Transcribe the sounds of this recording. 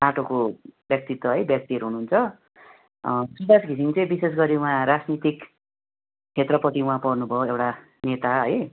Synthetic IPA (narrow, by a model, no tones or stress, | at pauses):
aʈʰokobjʌk̚t̪it̪ːwʌɦʌjbjʌk̚t̪iʌɾuɦunuunt͡sʰʌ | sud̪asɡʱisiŋt͡sʌj̃bises̬ɡʌɾiuãɾad͡znit̪ik | t͡ɕʰet̪rʌpʌt̪iũɦãpʌrnubʱʌoewʈa | net̪aʌj